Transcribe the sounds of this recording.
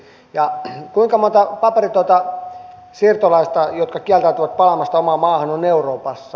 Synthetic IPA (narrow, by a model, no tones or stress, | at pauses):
jɑkuiŋkɑmont̪ɑpɑperit̪uot̪ɑ | sirt̪olɑist̪ɑjot̪kɑkiælt̪æyt̪yʋɑt̪̚pɑlɑmɑst̪ɑomɑːmɑːhɑnoneuroːpɑsːɑ